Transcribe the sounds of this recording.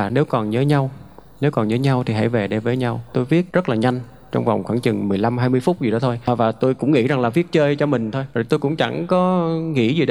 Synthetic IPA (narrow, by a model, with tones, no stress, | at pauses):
ne˨˦wkɔ˨˩nɲəː˨˦jɲa˧w | ne˨˦wkɔ˨˩nɲəː˨˦ɲa˧wt̪ʰi˨˩ɦa̰˧˥jve˨˩ɗe˧˩vəː˨˦jɲa˧wt̪o˧jvi˦˥ət̚zə˦˥t̚laː˨˩ɲa˧jŋ̟ | t͡ɕɔ˧wŋ͡mva˨˩wŋ͡mxwaː˧˩ŋt͡ɕɨ˨˩ŋmɨ˨˩əjla˧mɦaː˧jmɨ˧əjfʊ˦˥k͡p̚zi˨˩ɗɔ˨˦t̪ʰo˧jvaː˨˩t̪o˧jkʊ̰˧˥ŋ͡mŋḭ˧˥za˨˩ŋlaː˨˩vi˦˥ət̚t͡ɕəː˧jt͡ɕɔ˧mï˨˩ŋ̟t̪ʰo˧jzo˨˩jt̪o˧jkʊ̰˧˥ŋ͡mt͡ɕa̰˧˩ŋkɔ˨˦ŋḭ˧˥zi˨˩ɗ